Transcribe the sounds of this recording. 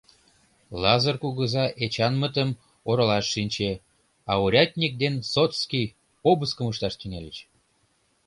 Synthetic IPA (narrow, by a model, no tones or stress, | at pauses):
lɑzɤrkuɣəzɑʔet͡ɕɑnmət̪əm | oɾəlɑʃːinʲt͡ɕe | ɑuɾʲɑt̪ʲnʲik̚d̪ensot̪skij | pobəskəməʃt̪ɑʃt̪yŋelʲət͡ɕ